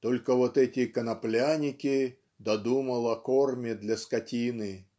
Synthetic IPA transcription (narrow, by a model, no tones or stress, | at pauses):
t̪o̞lʲkəvot̪ɛtʲɪkənɐplʲanʲɪkʲɪ | d̪ɐd̪uməlˠɐkormʲɪd̪lʲɐskɐtʲinɨ